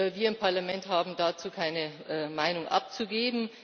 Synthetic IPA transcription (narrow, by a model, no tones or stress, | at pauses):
viːɐɪmpʰaɐlamɛnthaːbm̩daːt͡suːkʰaɪnəʔmaɪnʊŋʔa̰p̚t͡suɡeːbm̩